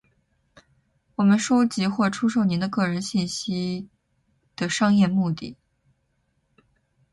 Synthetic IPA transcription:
wɔ˨˩mə˦nʂo˥ʊt͡ɕi˧˥xwɔ˥˩ʈ͡ʂʰu˥ʂo˥˩ʊni˧˥nd̪ə˧kɤ˥˩ɻə˧˥nɕi˥˩nɕi˥ | d̪̥ə˨ʂɑ˥ŋjɛ˥˧mu˥˧t̪ḭ˥˩

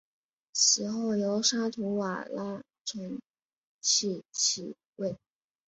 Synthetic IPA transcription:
ɕi˧˥xo˥˩ʊjo˧˥ʊʂa˥t̪ʰu˧˥wa˨˩la˥ | ʈ͡ʂʰə˧˥n | t͡ɕʰi˥˧t͡ɕʰḭ˧˩ | we˥˩ɪ

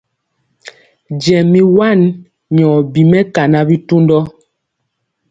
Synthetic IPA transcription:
d͡ʒɛ˨mːi˨wa˦˨n | ɲɔː˨bi˨mɛ˦ka˨na˦bi˦tu˦ndɔ˦

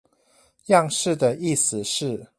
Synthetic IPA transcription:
jɑ˥˧ŋʂɻ̩˥˩d̪ə˨i˥˩s̩˨˩ʂɻ̩˥˨

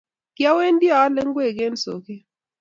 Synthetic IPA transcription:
kja˦we˦ndi˦a˨a˦lɛ˦ŋɡwe˦˨ɡe˦nso̰˨ki˦

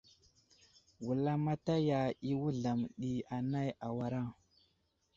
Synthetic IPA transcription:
wu˨la˦ma˦ta˦ja˨i˦wu˦ɮa˨mɗi˨a˨na˦ja˨wa˨ɾa˦˨ŋ

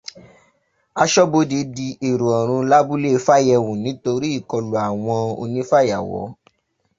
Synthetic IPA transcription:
a˧ʃɔ˦bo˧˦di˨˦di˧e˨ɾu˨ɔ˨ɾ̃ũ˧la˦bu˦le˦˧fa˦jɛ˧wũ˨nĩ˨˦to˧ɾi˦i˦˨kɔ˧lu˨a˨w̃ɔ̃˧o̰˧nĩ˦fa˦˨ja˨wɔ̰˨˦

